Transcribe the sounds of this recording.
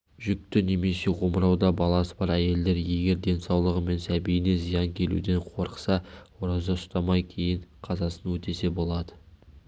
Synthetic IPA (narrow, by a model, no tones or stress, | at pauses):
ʒʏk̚t̪ɪne̞me̞se̞ʁo̞məɾɑwd̪ɑbɑlˠɑsəbɑɾæje̞ld̪e̞ɾje̞ɡʲe̞ɾd̪e̞nsɑwlˠəʁəme̞nsæbijɪne̞zijɑŋkʲʰe̞lṵd̪e̞ɴqʰo̞ɾəqsɑoɾɑzɑʊst̪ɑmɑjkʲʰe̞jɪɴqʰɑzɑsənwɵt̪e̞se̞bo̞lˠɑd̪ə